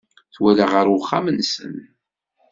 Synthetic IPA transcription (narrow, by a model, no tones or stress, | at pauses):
θwælaʁəɾwχːamənsə̰n